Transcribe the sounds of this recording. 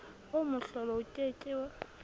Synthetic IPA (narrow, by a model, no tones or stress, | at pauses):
omʊɬɔlɔʊtʼet͡ʃʼɪːwa